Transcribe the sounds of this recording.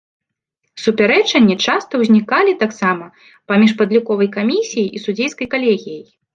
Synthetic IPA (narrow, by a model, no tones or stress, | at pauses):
supʲaɾɛt͡ʂɐnʲːit͡ʂast̪ɐwzʲnʲikalʲit̪aksamɐ | pamʲiʂpɐd̪lʲukɔvɐjkamʲisʲijiʔisud͡zʲejskɐjkalʲeɣʲijɐj